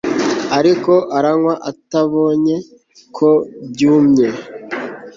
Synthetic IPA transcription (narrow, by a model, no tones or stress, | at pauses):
aɾiko̞ʔaɾaŋwaʔataβo̞ːɲe̞ | kʰo̞bɟuːmɲe